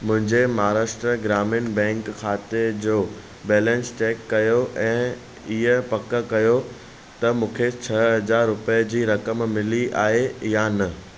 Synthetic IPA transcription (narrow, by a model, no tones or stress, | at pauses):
mʊ̃ɦɪ̃ɲd͡ʑemɐɦaɾaːʃʈɾəɡɾaːmɪnbɛ̃ːŋkkʰːaːt̪ed͡ʑoː | bɛːlɛ̃nst͡ɕɛːkːɐjoʔɛ̃ː | ɪɦəpɐkə̆kɐjo | t̪ɐmũːkʰet͡ɕʰɐɦɐd͡ʑaːɾːʊpəjəd͡ʑiːɾɐkəmmɪliʔa̰ːɦejanɐ